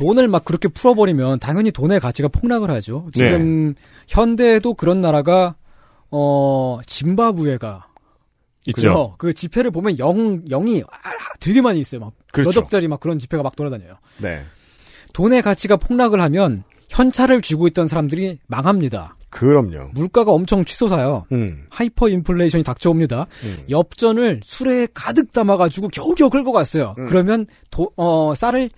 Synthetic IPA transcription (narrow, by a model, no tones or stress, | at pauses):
tonɯɭmak͈ːɯɾʌkʰe̞pʰuɾʌbʌɾimjʌntaŋjʌɲitone̞kat͡ɕʰiɡapʰoŋnaɡɯɭhad͡ʑot͡ɕiɡɯm | çjʌnde̞dokɯɾʌnːaɾaɡa | ʌt͡ɕimbabue̞ɡa | ikɯt͡ɕ͈ːookɯt͡ɕipʰe̞ɾɯɭbomjʌnjʌŋjʌŋiatwe̞ɡe̞maɲiːs͈ʌjomak̚ʌd͡ʑʌk̚t͡ɕ͈aɾimak͈ːɯɾʌnt͡ɕipʰe̞ɡamak̚t͈oɾadaɲajo | nḛ | tone̞kat͡ɕʰiɡapʰoŋnaɡɯɭɦamjʌn | çjʌnt͡ɕʰaɾɯɭt͡ɕiɡoit̚t͈ʌnsʰaɾamdɯɾimaŋɦamɲida̰kɯɾʌmɲo̰muɭk͈aɡaʌmt͡ɕʰʌŋt͡ɕʰisʰosʰajohaipʰʌimpʰɯɭːeiɕʰʌɲitak̚t͡ɕ͈ʰʌomɲidajʌp̚t͡ɕ͈ʌnɯɭsʰuɾe̞kadɯk̚t͈amaɡad͡ʑuɡokjʌuɡjʌkʰɯɭk͈ʌk͈as͈ʌjokɯɾʌmjʌn | toʌs͈aɾɯɭ